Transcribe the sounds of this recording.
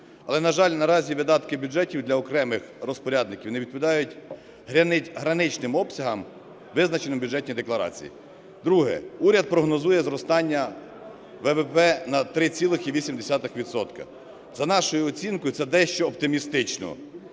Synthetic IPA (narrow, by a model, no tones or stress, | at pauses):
ɐ̰lˠɛnɐʒɑlʲnɐɾɑzʲiʋɪd̪ɑt̪kɪbʲjʊd͡ʒɛtʲiwd̪lʲɐɔkɾɛmɪxɾɔspɔɾʲɑd̪nɪkʲiwneʋʲid̪̚pɔʋʲɪd̪ɑjʊtʲ | ɦɾɐnɪɦɾɐnɪt͡ʃnɪmɔpsʲɐɦɐm | ʋɪznɐt͡ʃenɪmbʲudd͡ʒɛt̚ʲnʲijd̪eklˠɐɾɑ̰t͡sʲḭjḭ | d̪ɾuɦɛ̰uɾʲɐd̪̚pɾɔɦnɔzujɛzɾɔst̪ɑnʲːɐ | ʋɛʋɛpɛnɐt̪ɾɪt͡sʲilˠɪxiʋʲisʲimd̪esʲɑt̪ɪxʋʲid̪t̪sɔt̪kɐ̰ | zɐnɑʃɔjʊɔt͡sʲinkɔjʊt̪sɛd̪ɛʃt͡ʃɔːpt̪ɪmʲist̪ɪt͡ʃnɔ̰